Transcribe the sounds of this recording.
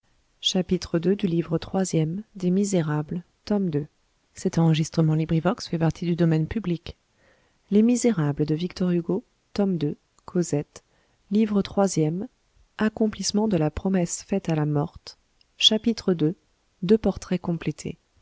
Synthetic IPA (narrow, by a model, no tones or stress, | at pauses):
ʃapit̪χəd̪ød̪ylivʁət̪χwazjɛmd̪emizeʁabl | t̪ɔmd̪ø | sɛt̪ɑ̃ʁəʒist̪χəmɑ̃libʁivɔksfɛpaʁt̪ʰid̪yd̪ɔmɛnpyblik | lemizeʁabləd̪əvikt̪ɔʁyɡo | t̪ɔmd̪ø | kʰozɛt̪ | livʁət̪χwazjɛm | akɔ̃plismɑ̃d̪əlapχɔmɛsfɛt̪alamɔʁt̪ | ʃapit̪χəd̪ø | d̪øpɔʁt̪χɛkɔ̃plet̪ʰḛ